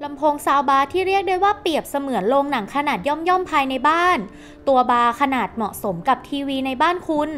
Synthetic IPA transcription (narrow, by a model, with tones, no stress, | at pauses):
la˧mpʰoː˧˥ŋsaː˧wbaː˧t̪ʰiː˥˩ɾi˥˩ək̚daː˥˩jwaː˥˩pi˨˩əp̚sa˧mɯ˨˩˦ənloː˧ŋna˩˦ŋkʰa˧naː˨˩t̪̚jɔ˥˩mjɔ˥˩mpʰaː˧jna˧jbaː˥˩n | t̪u˧ɐbaː˧kʰa˧naː˨˩t̪̚mɔ˨˩ʔso˩˦mka˨˩p̚t̪ʰiː˧wiː˧na˧jbaː˥˩nkʰu˧n